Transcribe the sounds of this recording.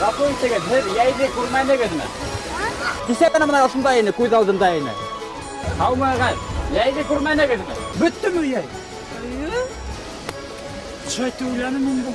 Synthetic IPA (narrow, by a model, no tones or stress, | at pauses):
ɾɑpoit̪ɘ̆ɡɘðhɘðjæjðɘkʉɾmænɘ̆ɡɘðmɘ̰ | t̪isækænæmɤ̆nɑʃɤ̆nd̪ɑinɘkʉðɑlˠd̪ɤ̆nd̪ɑinɘ̰ | hɑwmɑʁænjæjðɘkʉɾmænɘ̆ɡɘ̆ðmɘ̰bɵt̪ːɘmɵjæj | jo | ʃɑjt̪ːəujlænɘminbu